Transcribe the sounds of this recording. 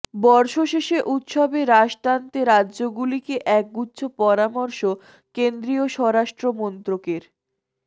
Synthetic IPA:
bɔɾʃoʃeʃeʔut̪ʃɔbeɾaʃʈ̪ant̪eɾadːʑoɡulikeʔɛk̚ɡut̪ːɕʰopɔɾamɔɾʃo | kend̪ɾioʃɔɾaʃʈɾomɔnt̪ɾokeɾ

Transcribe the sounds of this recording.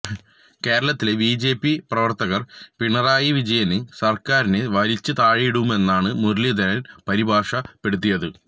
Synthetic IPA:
ke̞ːɾɐɭɐt̪ːilebiːd͡ʑe̞ːpːiprɐʋɐrt̪ɐɣɐrpiɳɐraːjiʋid͡ʑɐjɐnesɐrkaːɾineʋɐɾit͡ɕːɨt̪aːɻiɽuume̞nːaːɳɨmurlːjid̪ʱɐɾɐnpɐɾibʱaːʂɐpe̞ɽut̪̬ːijɐðɨ

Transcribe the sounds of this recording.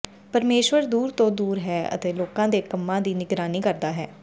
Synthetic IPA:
pəɾmeːʃwəɾd̪uːɾt̪õːd̪uːɾɦɛːə̰t̪eːloːkãːd̪eːkəmːãːd̪iːnɪɡɾaːniːkəɾd̪aːɦɛː

